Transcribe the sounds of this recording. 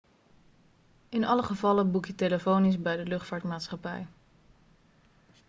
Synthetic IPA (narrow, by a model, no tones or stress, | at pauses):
ɪnɑləχəvɑləbukjəteləfownizbɛjdəlɵχtfaːɹtmaːtsχɑpɛ̰j